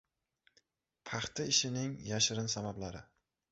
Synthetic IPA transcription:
pʰɑχt̪ʰaɪʃɪnɪŋjaʃɾɪnsamablaɾɪ

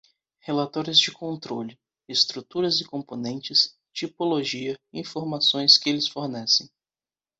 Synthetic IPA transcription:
helat̪ɔɾʊzd͡ʒɪkõnt̪ɾolɪ | est̪ɾut̪uɾɐzɪkõmponẽnt͡ʃɪs | t͡ʃipoloʒiɐĩfoɾmasõj̃skɪelɪsfoɾnɛsẽj̃

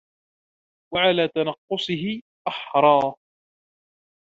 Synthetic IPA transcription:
waʕalaːt̪anɑqːʊsˤɨɦɪ | ʔaħɾˤɑː

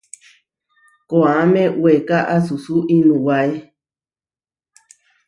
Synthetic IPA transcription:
koamẽwekaʔasusuʔĩnũwae

